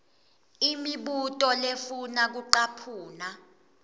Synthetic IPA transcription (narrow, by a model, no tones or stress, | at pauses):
imiɓutʼɔlefunak̬uǃapʰuːna